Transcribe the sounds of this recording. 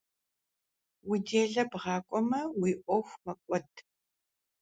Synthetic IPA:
wideːɮɐbʁɑːkʷʼɔmɐwiːʔʷʼɔxʷmɐkʷʼɔtʰ

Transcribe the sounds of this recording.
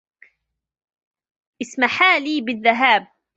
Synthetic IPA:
ʔɪsmaħaːliːbɪðːaɦaːb̚

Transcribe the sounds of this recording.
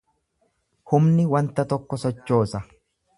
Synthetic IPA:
hʊmnɪwɐnt̪ɐt̪ɔkːɔsɔt͡ʃːo̞ːsɐ

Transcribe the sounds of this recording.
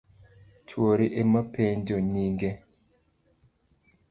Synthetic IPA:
t͡ʃwoɾiʔemapʰeɲd͡ʒoɲiŋɡe

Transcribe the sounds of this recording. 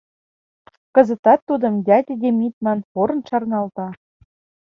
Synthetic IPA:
kɤ̆zə̆t̪ɑt̪ːud̪ɤ̆md̪ʲɑt̪ʲed̪ʲemʲit̪̚mɑnpoɾɤ̆nʃɑrnɑlt̪ɑ

